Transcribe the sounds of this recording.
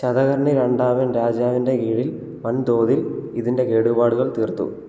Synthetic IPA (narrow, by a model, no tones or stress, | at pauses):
t͡ɕɐðɐɣɐɾɳiɾe̞ɳɖaːʋɐnɾaːd͡ʑaːʋinde̞ɡiːɻil | mɐnd̪o̞ːðiliðinde̞keːɽubaːɽuɣɐɭt̪iːrt̪ːṵ